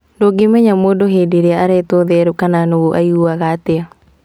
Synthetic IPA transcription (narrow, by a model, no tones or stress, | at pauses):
noɡemɛɲamodoɦedeɾeaaɾɛt̪oðeɛɾukananoɡoʔa̰juaɣatea